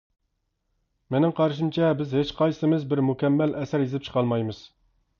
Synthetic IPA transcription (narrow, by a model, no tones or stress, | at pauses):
menɪŋqʰɑɾʃ̬ɨmt͡ʃʰɛbɪzhet͡ʃqʰɑjsɨmɪzbɪɾmukʲɛmːɛlʔɛsæɾjizɪpt͡ʃʰə̥qʰɑlˠmɑjmɨz̥